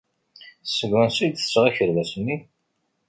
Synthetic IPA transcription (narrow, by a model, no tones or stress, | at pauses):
sːəɡːænsid̪θə̥sʁæçəɾvæsənːi